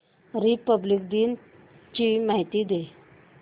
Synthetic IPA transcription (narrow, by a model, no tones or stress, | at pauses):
ɾipəblik̚d̪iːn | t͡ɕimaɦit̪iːd̪e